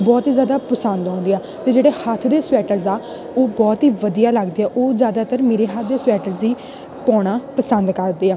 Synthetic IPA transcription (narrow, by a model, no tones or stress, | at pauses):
bɔːt̪iːzjaːd̪aːpəsənd̪ɔ̃ːnd̪eːaː | t̪eːd͡ʒeːɽeːhət̪ʰd̪eːsʊɛːʈəɾzaː | oːbɔːt̪ɦiːʋəd̪ijaːləɡd̪eːɛːʔoːzjaːd̪aːt̪əɾmeːɾeːɦat̪ʰd̪eːswɛːʈəɾziː | pɔ̃ːɽ̃aːpəsənd̪kəɾd̪eːaː